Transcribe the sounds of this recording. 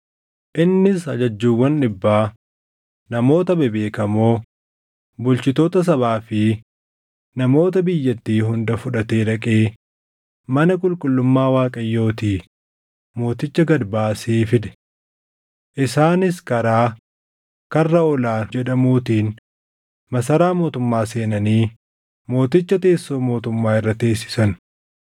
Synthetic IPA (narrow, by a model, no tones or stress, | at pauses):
ʔɪnːɪsɐd͡ʒɐd͡ʒːuːwːɐnᶑɪbːaː | nɐmo̞ːt̪ɐbɛbe̞ːkɐmoː | bʊlt͡ʃɪt̪o̞ːt̪ɐs̬ɐβaːfɪ | nɐmo̞ːt̪ɐbɪjːɐt̪ːiːɦʊnd̪ɐfʊᶑɐt̪e̞ːɾɐkʼeː | mɐnɐkʼʊlkʼʊlːʊmːaːwaːkʼɐjːo̞ːt̪iː | mo̞ːt̪ɪt͡ʃːɐɡɐdbaːseːfɪd̪ɛ̥ | ʔɪsaːnɪskɐɾaː | kɐrːɐɔlaːd͡ʒɛᶑɐmuːt̪iːn | mɐsɐɾaːmo̞ːt̪ʊmːaːse̞ːnɐniː | mo̞ːt̪ɪt͡ʃːɐt̪e̞ːsːo̞ːmo̞ːt̪ʊmːaːɪrːɐt̪e̞ːsːɪ̥sɐn